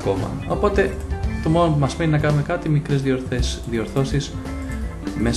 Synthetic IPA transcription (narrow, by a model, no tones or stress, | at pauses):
ko̞mɐ̰o̞po̞t̪e̞t̪o̞mo̞noumɐsmeninɐkɐnume̞kɐt̪imikɾezoesðioɾθo̞sis | mes